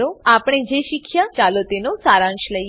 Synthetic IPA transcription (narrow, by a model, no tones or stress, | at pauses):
ɾoapɽ̃ed͡ʒeʃikʰjat͡ʃalot̪enosaɾãnʃləj